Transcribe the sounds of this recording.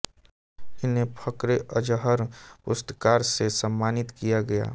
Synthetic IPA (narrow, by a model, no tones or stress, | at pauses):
ɪnepʰəkɾeʔəd͡ʒəɦəɾpʊst̪əkaːɾsesəmːaːnɪt̪kijaɡɐja̰ː